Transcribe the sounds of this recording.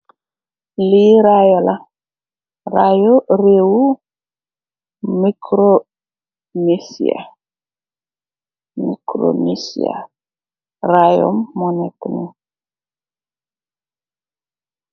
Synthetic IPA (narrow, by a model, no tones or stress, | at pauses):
liɾajɔla | ɾajoɾewu | mikʰɾo | nisḭa̰ | mḭkɾo̰nisḭa̰ | ɾajɔ̰mːɔnɛtni